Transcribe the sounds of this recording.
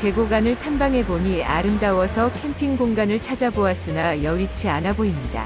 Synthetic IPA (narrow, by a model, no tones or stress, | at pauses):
ke̞ɡoɡanɯɭtʰanbaŋɦe̞boɲia̰ɾɯmdawʌsʰʌkʰe̞mpʰiŋɡoŋɡanɯɭt͡ɕʰad͡ʑaboas͈ɯnajʌɾit͡ɕʰianaboimɲida̰